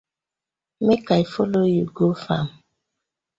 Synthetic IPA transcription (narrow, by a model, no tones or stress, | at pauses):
mekaifolojuɡofa̰m